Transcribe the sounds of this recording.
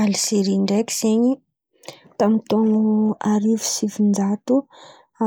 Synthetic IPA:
alisiɾiɳɖ͡ʐeki̥z̥eɲi | t̪amint̪oŋuaɾivu̥sivind͡ʒat̪u | a

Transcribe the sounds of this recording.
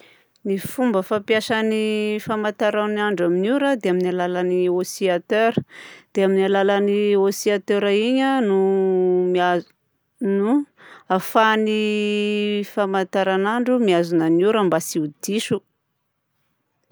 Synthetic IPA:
nifumbəfapjaʃanifamat̪aɾawnaɳɖ͡ʐaminuɾəd̪eaminalalaniosiat̪øɾəd̪̥eaminalalaniosiat̪øɾaiɲənuma | nuafani | famat̪aɾanaɳɖ͡ʐumiazunanuɾəmbasiud̪iʃu

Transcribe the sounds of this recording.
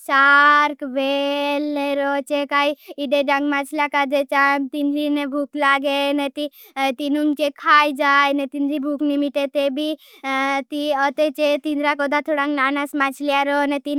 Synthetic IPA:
t͡ʃaɾkʋelneɾɔt͡ʃekaiiɖeɖaŋɡmat͡ʃʰlakad͡ʒ̪et͡ʃamt̪inɾinebʱuklaɡenet̪i | t̪inunt͡ʃekʰaːjd͡ʒaːjnɛt̪inɾibʱuknimiʈet̪ebʱi | t̪iɔt̪et͡ʃet̪ind̪ɾakɔd̪at̪ʰoɽãŋɡnanasmat͡ʃlijaɾɔnet̪in

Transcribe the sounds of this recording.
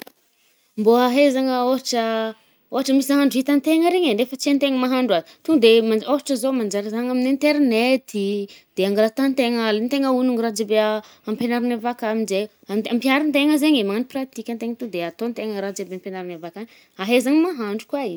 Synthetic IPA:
mboaɦezaŋəoɦaʈ͡ʂə | oɦaʈ͡ʂəmisaɦaɳɖ͡ʐuit̪ant̪eŋəɾeɲeɖ͡ʐefət͡sent̪eŋəmaɦaɳɖ͡ʐwa | t̪uŋd̪emaoɦaʈ͡ʂəzomand͡ʒaɾizaŋaminint̪eɾnet̪id̪̥eaŋɡɾat̪ant̪eŋəlent̪eŋəunuŋɾad͡zibea | ampenaɾinavakaminze | ampiaɾint̪eŋəzeɲemanprat̪ikʲant̪eŋt̪ud̪eat̪ont̪eŋəɾad͡ziabeampenaɾinavakan | aɦezaŋəmaɦaɳɖ͡ʐukwaiɲ

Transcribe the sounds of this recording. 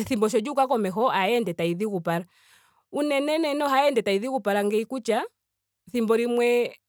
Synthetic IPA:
θimbɔʃ̬ɔd͡ʒukakɔmɛxɔʔaɛndɛtaiðikupaɾa | unɛnɛnɛnɔɦaɛndɛtaiðikupaɾaŋɡɛikut͡ʃa | θimbɔɾimwɛ

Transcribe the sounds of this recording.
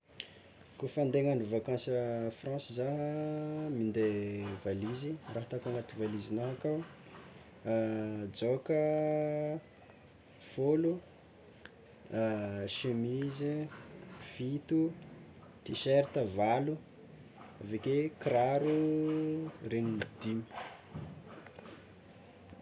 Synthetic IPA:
kofand̪eŋanuvakãnsəfrɑ̃sizaɦəmind̪evaliziraɦat̪akaŋat̪uvalizinaɦakaw | d͡ʒokə | folu | ʃemizi | fit̪u | t̪iʃeɾit̪əvalu | avekekɾaɾu | ɾenid̪imi̥

